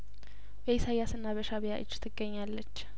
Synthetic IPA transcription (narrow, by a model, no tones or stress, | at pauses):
bəisajːasɨnːaβəʃaβijaʔɨd͡ʒːt̪ʰɨɡːəɲːalːət͡ʃː